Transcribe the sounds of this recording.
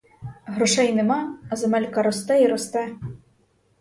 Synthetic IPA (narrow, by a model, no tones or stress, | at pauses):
ɦɾɔʂɛjnɛmɑzɐmɛlʲkɐɾɔst̪ɛiɾɔst̪ɛ